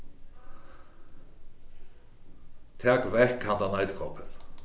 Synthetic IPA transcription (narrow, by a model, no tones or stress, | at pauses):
t̪ʰɛːkvɛhkhand̪anajt̪kʰɔpʰɪn